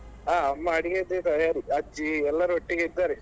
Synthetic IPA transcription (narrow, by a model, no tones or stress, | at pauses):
aːɐmːaɐɽiɡed̪et̪ɐjaːɾiɐd͡ʒiɛlːɐɾuoʈːiɡeid̪ːaːɾe